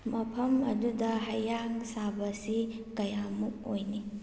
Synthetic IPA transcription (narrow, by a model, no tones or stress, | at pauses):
mɐpʰɐmɐ̰dudɐɦɐjːaŋsabɐsi | kɐjamuk̚ojni